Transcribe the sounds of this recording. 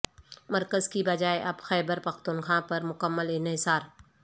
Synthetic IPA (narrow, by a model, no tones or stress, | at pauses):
mɐɾkəzkibɐd͡ʒaːeʔɐbxɛːbəɾpɐxt̪ʊnxãːpɐɾmʊkəmːəlɪnɦɪsaːɾ